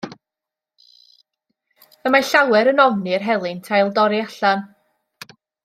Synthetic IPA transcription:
əmaɬawɛɾənɔvnirɦɛlˠɨntʰajlˠdɔɾiaɬan

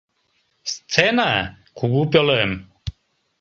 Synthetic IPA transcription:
st͡sʰɛna | kʰuɡupʲjɔləm

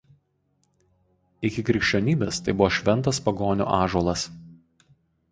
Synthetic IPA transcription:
ɪkʲɪkɾʲɪkʃʲt͡ʃʲoːnʲiːbʲest̪ɐɪbʊʋoːʃʲʋʲɛnt̪ɐspɐɡoːnʲṵːʔɑːʒuɔlˠɐs

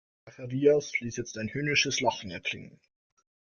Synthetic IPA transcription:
aχɛʁiːasliːsjɛt͡staɪnhyːnɪʃəslaχn̩ɛɐkʰl̥ɪ̰ŋə̰n

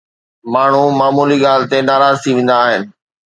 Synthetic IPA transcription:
maːɳ̤umaːmuːliɡaːlɪ̆t̪enaːɾaːzt̪ʰiʋẽːn̆d̪aːɦɪnɪ̆

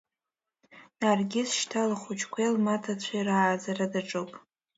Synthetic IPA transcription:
narɡʲɪzʃtʰalaχʷut͡ʃʰkʷʰajlmatʰat͡ɕʷʰajraːd͡zaradaʈ͡ʂʼowpʼ

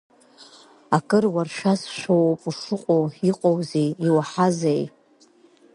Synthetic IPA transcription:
akʼɨrwarʂasʃʷowpʼuʂɨqʷʼowiqʼowzejiwaħazaj

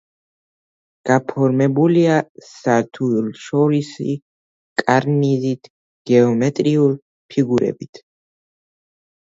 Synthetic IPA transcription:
ɡ̥apʰɔɾmɛbuliasaɾt̪ʰuulʃɔɾisḭ | kʼaɾnizit̪ʰ | ɡ̥ɛɔmɛt̪ʼɾiulˠ | pʰiɡuɾɛ̰bit̪ʰ

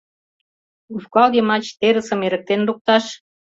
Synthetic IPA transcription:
ufkɑld̪emɑt͡ɕt̪eɾə̆sə̆meɾə̆k̚t̪enruk̚t̪ɑʃ

